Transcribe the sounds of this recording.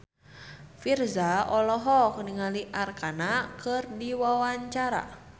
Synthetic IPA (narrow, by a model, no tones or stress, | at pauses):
firzaɔlɔɦɔkəniŋaliʔarkanakərdiwawaɲt͡ʃaɾa̰